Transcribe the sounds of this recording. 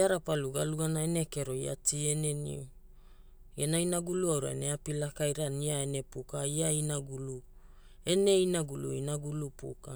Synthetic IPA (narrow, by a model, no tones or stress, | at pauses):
aɾapaluɡaluɡanaene̞ke̞ɾo̞ia̰tie̞ne̞nḭu | ɡenainaɡuluawɾa̰eneapilakajɾaniaene̞pukaiainaɡulu | e̞ne̞inaɡulṵinaɡulupṵka